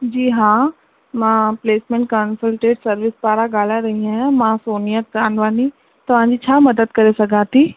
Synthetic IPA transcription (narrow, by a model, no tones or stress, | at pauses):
d͡ʒiːɦãː | mãːpleːsmẽɳʈ̚kənsəlʈeːɖsɐɾʋɪspaːɾaɡaːlaɾɐɦiɛɛmãːsoːnijəaːnʋaːni | t̪ɐʋ̤ãːd͡ʑit͡ʃʰaːmɐd̪əd̪̚kɐɾesɐɡaːt̪iː